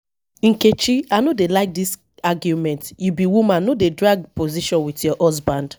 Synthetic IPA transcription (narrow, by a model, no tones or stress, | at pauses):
ĩŋket͡ʃianodelaɪk̚dis | aɡjumɛ̃ntjubiwumãnːodedɹaɡpoziʃɔ̃nwitjɔʔɔs̬bãnd